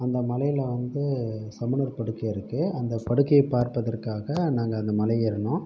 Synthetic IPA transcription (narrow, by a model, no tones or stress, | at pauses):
ɐnd̪ɐmɐlɐjɪlʋɐnd̪ɯsɐmɐnɐɾpɐɽɯkːɐɪɾɯkːɯɐnd̪ɐpɐɽɯkːɐɪpːaːɾpɐðɐrkaːɣɐnaːŋɡɐːnd̪ɐmɐlɐjɪɾɯnõː